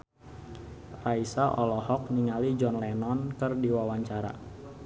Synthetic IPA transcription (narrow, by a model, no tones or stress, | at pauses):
raisaʔɔlɔɦɔk̚niŋalid͡ʒɔnlɛnɔnkɨrdiwawaɲt͡ʃaɾa̰